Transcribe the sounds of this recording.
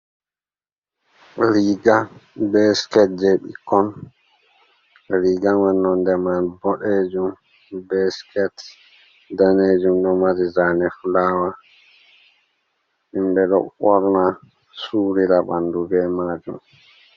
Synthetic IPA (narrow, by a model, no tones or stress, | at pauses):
ɾiɡabɛskɛt̚d͡ʒɛɓḭkɔn | ɾiɡamanːɔndɛmanbɔɗed͡ʒum | bɛskɛt | daned͡ʒumɗɔmaɾizanɛfulaːwa | ʔimbɛɗɔ̰ɓɔɾna | suːɾiɾaɓa̰nduɡɛmaːd͡ʒum